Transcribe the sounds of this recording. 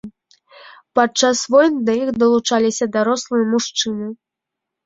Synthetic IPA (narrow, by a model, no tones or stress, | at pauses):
pat͡ʂːasvɔjnɨd̪ɐjixd̪ɐlˠut͡ʂalʲisʲɐd̪aɾɔslˠɨjɐmuʂt͡ʂɨnɨ